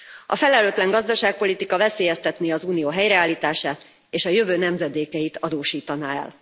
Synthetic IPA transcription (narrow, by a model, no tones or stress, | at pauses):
ɒ̰fɛlɛløːt̪lɛŋɡɒzd̪ɒʃaːk̚po̞lit̪ikɒvɛseːjɛst̪ɛt̪neːɒzuːnijoːɦɛjɾɛaːlːiːt̪aːʃaːt̪ | eːʃɒjøvøːnɛmzɛd̪eːkɛjit̪ɒd̪oːʃiːt̪ɒna̰ɛ̰l